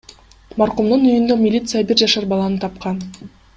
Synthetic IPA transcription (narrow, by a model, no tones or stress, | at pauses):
mɑɾqumd̪unyjynd̪ømʲilʲit̪sɨjabiɾd͡ʒɑʃɑɾbɑlˠɑnɯt̪ʰɑpqɑn